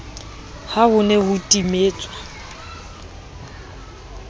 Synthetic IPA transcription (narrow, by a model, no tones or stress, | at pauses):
hahʊnɛhʊtʼimeːt͡sʼwa